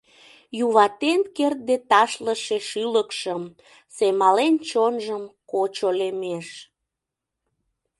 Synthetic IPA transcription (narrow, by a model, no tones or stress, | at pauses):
juβɑt̪enkert̪̚d̪et̪ɑʃləʃeʃyləkʃəm | semɑlent͡ɕonʒəmkot͡ɕolemeʃ